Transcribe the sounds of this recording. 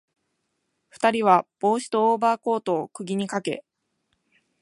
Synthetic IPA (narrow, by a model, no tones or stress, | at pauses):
ɸɯ̟̥t̪aɾʲiβ̞ab̥o̞ːɕi̥t̪o̞ːbaːko̞ːt̪o̞ːkɯ̟ɡʲiɲ̟ikake̞̰